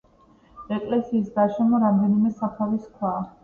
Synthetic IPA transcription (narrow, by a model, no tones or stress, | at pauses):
ɛkʼlɛsiːs̬ɡaʃɛmɔɾamd̪ɛnimɛsapʰaviskʰwa